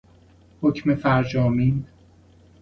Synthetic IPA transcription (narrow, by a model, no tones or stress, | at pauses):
hocʰmefæɾd͡ʒɒːmiːn